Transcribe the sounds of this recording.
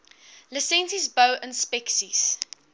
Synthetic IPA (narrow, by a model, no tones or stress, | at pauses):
ləsɛ̃nsizbəʊʔə̃nspɛksis